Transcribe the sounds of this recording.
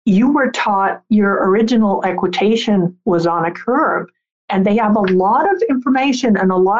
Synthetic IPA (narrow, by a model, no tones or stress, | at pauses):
jɨwə˞tʰɔt̚jə˞ə˞ɪd͡ʒɨnl̩ˠɛkwɨtʰeɪʃɨ̃nwʌzn̩ɨkʰɜ˞b | ʔɨ̃nðeɪəvəlɔɾʌvɪ̃ɱfə˞meɪʃɨ̃nɨ̃nəlɔ